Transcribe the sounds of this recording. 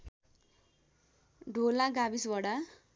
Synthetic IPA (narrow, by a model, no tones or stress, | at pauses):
ɖʱolaɡabisbʌɽa